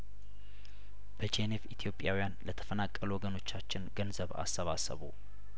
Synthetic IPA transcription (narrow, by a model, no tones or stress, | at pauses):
b̥ət͡ʃenefit̪ʰijo̞pʼjawijanlət̪ʰə̥fənakʼːəluwɔɡəno̞t͡ʃːat͡ʃːɪnɡənzəβa̰sːəβasə̰βṵ